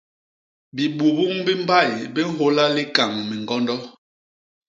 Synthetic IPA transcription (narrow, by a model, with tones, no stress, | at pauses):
bi˨ɓu˨bu˦ŋbi˦m˦ba˦˨jbi˦n̩˦ɦo˦la˦li˦ka˨ŋmi˨ŋ˨ɡɔ˦ndɔ˦